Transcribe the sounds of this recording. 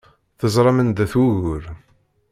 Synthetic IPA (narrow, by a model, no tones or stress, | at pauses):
θəzˤɾˤɑmənd̪æθwuɣʊɾ